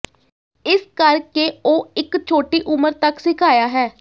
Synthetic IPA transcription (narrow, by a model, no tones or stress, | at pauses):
ɪskəɾkeːoːɪkt͡ʃʰoːʈiːʔʊməɾt̪əksɪkʰaːjaːɦɛː